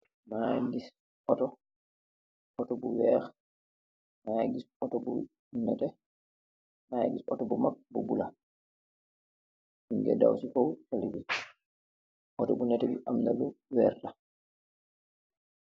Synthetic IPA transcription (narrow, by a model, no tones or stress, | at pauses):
maɡis | ɔtɔ | ɔtɔbuwɛɾ | maɡisɔtɔbṵ | nɛtɛ | majɡisɔtɔbɔmapːbubula | iŋɡɛ̰da̰wsikɔwtaliɡi | ʔɔtɔbunɛtɛbiʔamnaluwɛɾta